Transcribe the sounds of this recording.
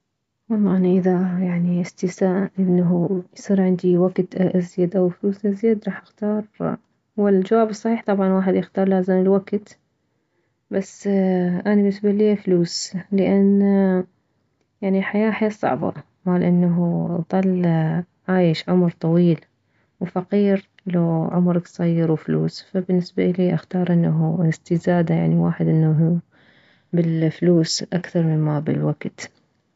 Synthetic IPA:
wɑlˤːɑːʔanaʔɪðajaʕniʔɪst̪ɪsaːʔʔɪnːaɦujsˤiːɾʕɪnd̪iwaɡt̪ʔazjad̪ʔawfluːsʔazjad̪ɾˤɑːħʔɪxt̪ɑːɾˤ | wɪld͡ʒawaːbɨsˤːɑħiːħt̪ˤɑbʕɑnwaːħɪd̪jɪxt̪ɑːɾˤlaːzɪmɪlwaɡt̪ | basːʔanabɪsbalːifluːslɪʔan | jaʕniħajaːħajaːsˤːɑ̰ʕbɑ̰ | maːlʔanːaɦuðˤɑl | ʕaːjɪʃʕʊmɾt̪ˤɑwiːl | wfaqiːɾ | laʕʊmɾˤɑksˤɑjːɪɾwfluːsfabɪnːɪsbaʔliːʔaxt̪ɑːɾˤʔɪnːaɦust̪ɪzaːd̪aja̰ʕniwaːħɪd̪ʔɪnːaɦu | bɪlfluːsʔakθɑɾˤmɪnmabɪlwaɡ̥t̪

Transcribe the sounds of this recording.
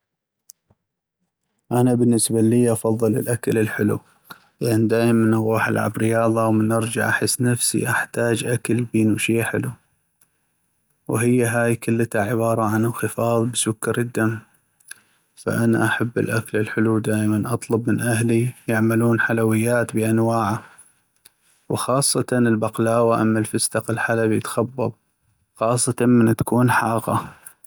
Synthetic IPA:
ʔanabɪnːɪsbaliːʔɑfɑðˤːɨlɪ̰lʔakalɪlħɪlṵ | lɪʔand̪aːjmanʔɑɣuːħa̰lʕa̰bɾɪjɑːðˤɑwmɪnʔɑɾˤd͡ʒa̰ʕʔaħɪsːnafsḭʔaħt̪aːd͡ʒʔakalbiːnuʃiːħɪlu | wɦɪjːaɦaːjkʊlːat̪aʕɪβɑːɾˤɑʕanɪlxɨfɑːðˤbsʊkːɑɾɪd̪ːamː | fa̰ʔanaʔaħabːɪ̰lʔakalɪlħʊlud̪aːʔmanʔɑt̪ˤlʊbmɪnʔahlijaʕmaluːnħalawɪjːaːt̪biʔanwaːʕa | wxɑːsˤːɑt̪ɑnɪlbaqlaːwaʔamːalfɪst̪ɑqɪlħalabijɪt̪xɑbːɑ̰ðˤ | xɑːsˤːɑt̪ɑmɪnt̪ḁkuːnħɑːɣɑ̰

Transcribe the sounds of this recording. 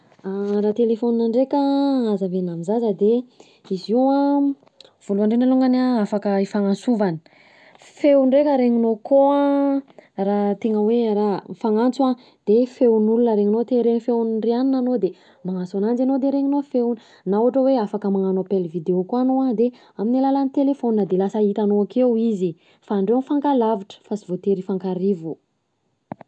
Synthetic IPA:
arat̪elefoninaɳɖ͡ʐekʲəazəvenamizazəd̪e | iziwa | v̥uluaɳɖ͡ʐenaluŋɡanaafakəifaŋansuvanə̥ | fewɳɖ͡ʐekʲəɾeŋinokoa | rat̪eŋəwerafaŋant͡sua | d̪̥efewnulunəɾeŋinot̪eɾeɲifewnreaninanod̪e | maŋant͡sanand͡zanod̪eɾeŋinofewnə | nauaʈ͡ʂəweafakəmaŋanopelvid̪eokoanoad̪e | aminilalanit̪elefoninəd̪elasəit̪anoakewizi | faːɳɖ͡ʐewnifaŋkalaviʈ͡ʂə̥fasivot̪eɾifaŋkaɾivu

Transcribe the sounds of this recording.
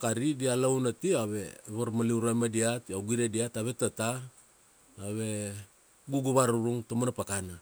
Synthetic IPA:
kaɾidialawnatiaβe̞βaɾmaliuɾajmadiatawɡiɾediataβe̞tata | aβe̞ | ɡuɡuβaɾuɾuŋtomanapakana

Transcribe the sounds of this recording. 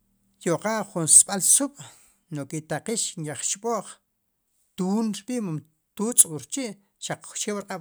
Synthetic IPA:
joqaʔχunsɓalsuɓ̥ | nokit̪aqiʃŋjaχt͡ʃɓoʔχ | t̪uːnɾɓiʔmum | t̪uːt͡sʼuɾt͡ʃiʔ | ʃaq͡χχʃeːwɾqʼaɓ

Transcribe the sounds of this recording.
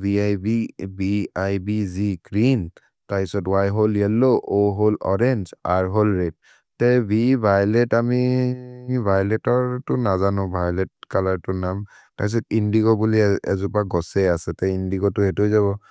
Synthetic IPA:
biajbibiajbiziɡɹin | tapisɔtwajɦoljɛloʔoɦolɔ̰ɹɛnzaɹɦolɹet̚ | tɛbibʱajlɛtami | bʱajlɛtɔɹtʊnazanʊ̃bʱajlɛt̚kalaɹtʊnam | tapis̬ɔtindiɡɔbuliɛ̰zupaɡɔsɛasɛtɛindiɡɔtʊɛtuzaβɔ

